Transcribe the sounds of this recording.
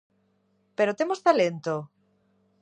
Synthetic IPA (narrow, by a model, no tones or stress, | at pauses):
peɾot̪emost̪alent̪o